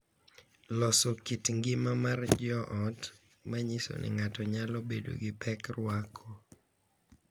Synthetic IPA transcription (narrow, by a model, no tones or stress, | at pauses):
lɔsɔkitŋɡɪmamard͡ʒɔʔɔt | maɲiso̰nʔɪ̰ŋatɔɲalɔbedo̰ɡɪpʰɛkrwakʰɔ